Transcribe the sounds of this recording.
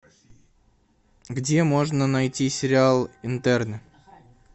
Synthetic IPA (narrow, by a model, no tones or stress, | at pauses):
ɡdʲe̞moʐnənɐjtʲisʲɪɾʲɪalˠɪnt̪ɛrnʲə